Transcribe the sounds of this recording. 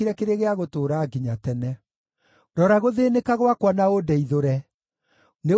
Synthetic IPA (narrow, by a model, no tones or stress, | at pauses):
iɾɛkeɾeɣeaɣotoːɾaːɡiɲatɛnɛ | ɾɔɾaɣoðeːnekaɣwakwanaodɛiðoɾɛ | ne